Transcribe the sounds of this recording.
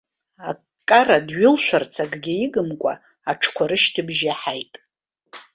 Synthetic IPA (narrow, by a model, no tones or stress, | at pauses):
a | kʼːaradɥʊlʃʷᶣart͡sʰaɡɡʲɪiɡɨmkʷʼa̰ | aʈ͡ʂʰkʷʰaɾɨʃtʰɨbʒaħajtʼ